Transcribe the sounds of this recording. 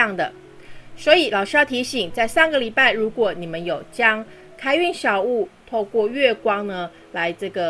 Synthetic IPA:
ɑ˥˩ŋd̪ə˩ | swɔ˧˥i˨˩lɑ˨˩ʊʂɻ̩˥jɑ˥˩t̪ʰi˧˥ɕi˨˩ŋt͡sa˥˧ɪsɑ˥˩ŋɡə˨˩li˨˩pa˥˩ɪɻu˧˥kwɔ˨˩ni˨˩mə˦njo˨˩ʊt͡ɕjɑ˥ŋ | kʰa˥ɪy˥˨nɕjɑ˨˩ʊu˥˩t̪ʰo˥˧ʊkwɔ˥˧ɥɛ˥˩kwɑ˥ŋnə˧ | la˧˦ɪʈ͡ʂɤ˥˩ɡə˩

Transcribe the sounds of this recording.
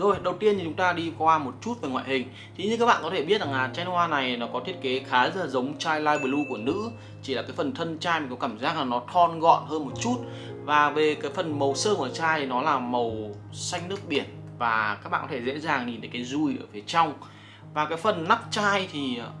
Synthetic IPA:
zo˨˩jɗə˨˩wt̪i˧ənt̪i˨˩t͡ɕʊ˨˦ŋ͡mt̪aː˧ɗi˧kwaː˧mo˨˩t̚t͡ɕu˦˥t̚ve˨˩ŋwa̰ː˧˨hï˨˩ŋ̟ | t̪ʰi˨˦ɲɨ˧kaː˦˥k̚ɓ̰aː˧˨˧kɔ˨˦t̪ʰe˧˩ɓi˦˥t̚za˨˩ŋlaː˨˩t͡ɕaː˧jn˧hwaː˧na˨˩jnɔ˨˦kɔ˨˦t̪ʰi˦˥ət̚ke˨˦xaː˨˦zə˦˥la˨˩zə˨˦wŋ͡mt͡ɕaː˧jlaː˧jɓə˧˩lu˧ku˧˩ənɨ̰˧˥ | t͡ɕi˧˩aː˨˩kaː˨˦jfə˨˩nt̪ʰə˧nt͡ɕaː˧jm˨˩kɔ˨˦kaː˧˩mzaː˦˥k̚laː˨˩ŋnɔ˨˦t̪ʰɔ˧nɣɔ̰˧˨nhəː˧nmo˨˩t̚t͡ɕu˦˥t̚ | vaː˨˩ve˨˩kaː˨˦jfə˨˩nmə˨˩wsəː˧mʔəː˧˩t͡ɕaː˧jt̪ʰi˨˩nɔ˨˦laː˨˩mə˨˩w | sa˧jŋ̟nɨ˦˥ək̚ɓi˧˩ən | vaː˨˩ka˦˥ɓ̰ːkɔ˨˦tʰe˧˩zḛ˧˥zaː˨˩ŋɲi˨˩nt̪əː˨˦jkaː˨˦jzu˧˩jʔəː˧˩fi˨˦ət͡ɕa˧wŋ͡m | vaː˨˩kaː˨˦jfə˨˩nːa˦˥k̚t͡ɕaː˧jt̪ʰi˨˩˨

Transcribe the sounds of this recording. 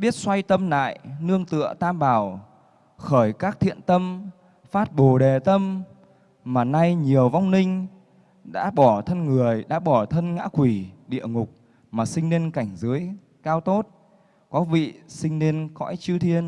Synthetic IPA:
ɓi˦˥ət̚swa˧jt̪ə˧mna̰ː˧˨jnɨ˧əŋt̪ɨ̰˧˨ət̪aː˧mɓaː˧˩w | xəː˧˩jkaː˦˥k̚t̪ʰḭ˧˨ənt̪ə˧m | faː˦˥t̚ɓo˨˧˩ɗe˨˩t̪ə˧m | maː˨˩na˧jɲi˨˩əwva˧wŋ͡mnï˧ŋ̟ | ɗa̰ː˧˥ɓɔ˧˩t̪ʰə˧nŋɨ˨˩əjɗa̰ː˧˥ɓɔ˧˩t̪ʰə˧nŋa̰ː˧˥kwi˧˩ɗḭ˧˨əŋʊ˨˩k͡p̚ | maː˨˩sï˧ŋ̟ne˧nka˨˧˩jŋ̟zɨ˨˦əj | kaː˧wt̪o˦˥t̚ | kɔ˨˦vḭ˧˨sï˧ŋ̟ne˧nkɔ̰˧˥jt͡ɕɨ˧t̪ʰi˧ən

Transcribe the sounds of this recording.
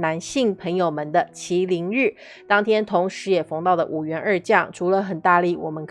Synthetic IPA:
na˧˥nɕi˥˩ŋpʰə˧˥ŋjo˨˩ʊmə˧˦nd̪ə˧t͡ɕʰi˧˥li˧˥ŋɻ̩˥˩ | t̪ɑ˥ŋt̪ʰjɛ˥nt̪ʰʊ˧˥ŋʂɻ̩˧˥jɛ˨˩fɑ˧˥ŋt̪ɑ˥˩ʊd̪ə̰˩ʔu˨˩ɥɛ˧˥nə˞˥˧t͡ɕjɑ˥˩ŋʈ͡ʂʰu˧˥lə˧xə˨˩nt̪a˥˧li˥˩wɔ̰˨˩mə˧˦nkʰ

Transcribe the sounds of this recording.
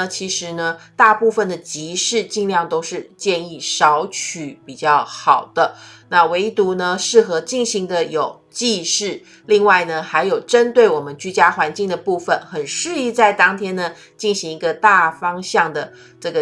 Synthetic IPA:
t͡ɕʰi˧˥ʂɻ̩˧˥nə˧t̪a˥˧pu˥˧fə˥˩nd̪ə˩t͡ɕi˧˥ʂɻ̩˥˧t͡ɕi˥˧ŋljɑ˥˩ŋt̪o˥ʊʂɻ̩˥˧t͡ɕjɛ˥˧ni˥˩ʂɑ˧˥ʊt͡ɕʰy˨˩pi˨˩t͡ɕjɑ˥˩ʊxɑ˨˩ʊd̪̥ə˦na˥˩we˧˥ɪt̪u˧˥nə˧ʂɻ̩˥˩xɤ˧˥t͡ɕi˥˩ŋɕi˧˥ŋd̪ə˧jo˨˩ʊ | t͡ɕi˥˧ʂɻ̩˥˩ | li˥˧ŋwa˥˩ɪnə˩xa˧˥ɪjo˨˩ʊʈ͡ʂə˦˥nt̪we˥˩ɪwɔ˨˩mə˦nt͡ɕy˥t͡ɕja˥xwa˧˥nt͡ɕi˥˩ŋd̪ə˩pu˥˩fə˩nxə˨˩nʂɻ̩˥˧i˥˧t͡sa˥˧˩ɪt̪ɑ˥ŋt̪ʰjɛ˥nnə˨ | t͡ɕi˥˩nɕi˧˥ŋi˧˥ɡə˧t̪a˥˩fɑ˥ŋɕɑ˥˩ŋd̪ə˩ | ʈ͡ʂɤ˥˩ɡə˩

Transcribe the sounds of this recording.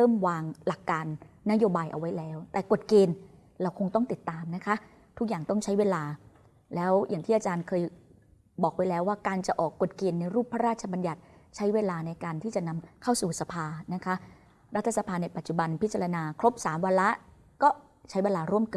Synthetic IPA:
ɾɤː˥˩mwaː˧ŋla˨˩kːaː˧nːa˦˥joː˧baː˧jʔa̰˧wa˦˥jlɛː˦˥wt̪ɛː˨˩ko˨˩t̪̚keː˧n | ɾa˧wkʰo˧ŋt̪ɔ˥˩ŋt̪i˨˩t̪ːaː˧mna˦˥kʰa˦˥ʔ | t̪ʰu˦˥k̚jaː˨˩ŋt̪ɔ˥˩ŋt͡ɕʰa˦˥jweː˧laː˧ | lɛː˦˥wjʔaː˨˩ŋt̪ʰiː˥˩ʔːt͡ɕaː˧nkʰɤː˧j | bɔː˨˩k̚wa˦˥jlɛː˦˥waː˥˩kaː˧nt͡ɕa˨˩ʔɔː˨˩kːo˨˩t̪̚keː˧nːa˧jɾuː˥˩p̚ʰːa˦˥ɾaː˥˩t̪̚t͡ɕʰa˧ba˧nja˨˩t̪̚ | t͡ɕʰa˦˥jweː˧laː˧na˧jkaː˧nt̪ʰiː˥˩t͡ɕa˨˩na˧mkʰa˥˩wsuː˨˩sa˧pʰaː˧na˦˥kʰa˦˥ʔ | ɾa˦˥t̪ʰːa˧sa˧pʰaː˧na˧jpa˨˩t̪̚t͡ɕu˨˩ba˧npʰi˦˥t̪̚t͡ɕa˧ɾa˧naː˧kʰɾo˦˥p̚saː˩˦mwa˧la˦˥ʔ | kɔː˥˩ | t͡ɕʰa˦˥jweː˧laː˧ɾu˥˩əmkɤː˨˩

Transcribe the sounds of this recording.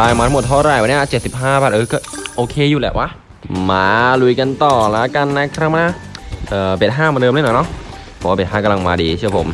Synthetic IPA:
aː˧jmaː˧a˧˥mo˨˩t̪ʰːɾa˧˩jwa˧nː˧i˥˧˨ʔt͡ɕe˨˩t̪̚si˨˩p̚ɦaː˥˩bɛː˨˩t̪̚ʔɤː˧kɔː˧˩ʔoː˧kʰeː˧˨juː˨˩lɛ̰˨˩wʔa˧˥˩ | maː˧lu˧jka˧nt̪ɔː˨˩la˦˥ka˧nːa˧˥kʰɾaː˧˩maː˧˥˩ | ʔɤː˨˩beː˨˩t̪̚ɦaː˥˩maː˧dɤː˧mlːnɔ˨˩˦nɔ˦˥ʔ | pʰɔ˨˩˦waː˥˩be˨˩t̚ɦaː˥˩ka˧la˧ŋmaː˧diː˧t͡ɕʰɯ˥˩ɐpʰo̰˨˩˦m

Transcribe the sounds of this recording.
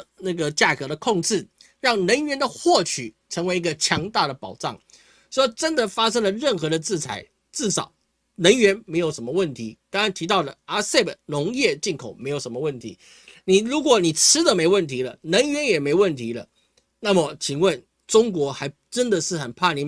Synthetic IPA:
na˥˩ɡə˩t͡ɕja˥˩kɤ˧˥ɾə˧kʰʊ˥˧ŋʈ͡ʂɻ̩˥˩ | ɻɑ˥˩ŋnə˧˥ŋɥɛ˧˥nd̪ə˨xwɔ˥˩t͡ɕʰy˨˩˦ʈ͡ʂʰɤ˧˥ŋwe˧˥ɪi˧˥ɡə˧t͡ɕʰjɑ˧˥ŋt̪a˥˩ɾə˩pɑ˨˩ʊʈ͡ʂɑ˥˩ŋ | ʂwɔ˥ʈ͡ʂə˦˥nd̪ə˨fa˥ʂə˥ŋlə˨ɻə˥˩nxɤ˧˥d̪ə˧t͡sɹ̩˥˩t͡sʰa˧˥ɪ | t͡sɹ̩˥˩ʂɑ˨˩ʊ | nə˧˥ŋɥɛ˧˥nme˧˥ɪjo˨˩ʊʂə˧˥mə˧wə˥˩nt̪ʰi˧˥t̪ɑ˥ŋa˧˥nt̪ʰi˧˥t̪ɑ˥˩ʊlə˩a˥se˥˩bnʊ˧˥ŋjɛ˥˧t͡ɕi˥˩nkʰo˨˩˦ʊme˧˥ɪjo˨˩ʊʂə˧˥mə˧wə˥˩nt̪ʰḭ˧˥˦ | ni˨˩ɻu˧˥kwɔ˨˩ni˨˩ʈ͡ʂ̩ʰ˥d̪ə˨me˧˥ɪwə˥˩nt̪ʰi˧˥lə̰˨nə˧˥ŋɥɛ˧˥njɛ˨˩me˧˥ɪwə˥˩nt̪ʰi˧˥lə̰˨ | na˥˩mə˨˩t͡ɕʰi˨˩ŋwə˥˩n | ʈ͡ʂʊ˥ŋkwɔ˧˥xa˧˥ɪ | ʈ͡ʂə˥nd̪ə˨ʂɻ̩˥˩xə˨˩npʰa˥˩ni˨˥

